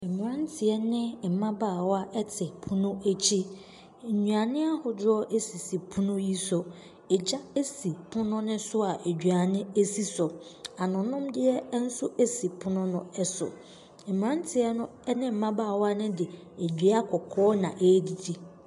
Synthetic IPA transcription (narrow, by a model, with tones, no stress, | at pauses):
m̩˨m˨ã˦ntʰɪ˨ɛ˦nɪ̃˦m̩˨mã˦baː˨wɔ˦a˦ʔɛ˦tʰɪ˨pʰʊ̃˦nʊ̃˦e˦t͡ɕʰi˦˨ | ɲũ˨a˨nɪ̃˦a˦hʊ˨dɔ˦ʔe˦si˨si˨pʰʊ̃˦nʊ̃˦ji˦sɔ˨ | ɛ˨d͡ʑa˦e˦si˨pʰʊ̃˦nʊ̃˦nʊ̃˦sʊ˦a˨ʔe˨d͡ʑᶣɥa˨nɪ̃˦e˦si˦sɔ˨a˨nʊ̃˨nʊ̃˦mdɪ˦ɛ˦n̩˦sʊ˦ʔe˦si˨pʰʊ˦nʊ̃˦nʊ̃˦ɛ˦sʊ̰˨ | m̩˨m˨ɾã˦n˦tʰɪ˨ɛ˦nʊ̃˦nɪ̃˦m̩˨mã˦baː˦˨wa˦nɪ̃˦dɪ˨ | e˨d͡ʑᶣi˨a˦kʰɔ˨kʰɔː˦nã̰˨ʔeː˦di˨dʰi˨